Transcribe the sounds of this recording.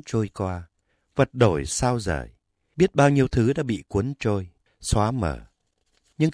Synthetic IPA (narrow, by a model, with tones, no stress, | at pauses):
t͡ɕo˧jkwaː˧ | və˨˩t̚ɗo˧˩jsaː˧wzə̰ː˧˩j | ɓi˦˥ət̚ɓaː˧wɲi˧əwt̪ʰɨ˨˦ɗa̰ː˧˥ɓḭ˧˨kwə˨˦ənt͡ɕo˧j | swaː˨˦mə̰ː˧˩ | ɲɨ̰˧ŋ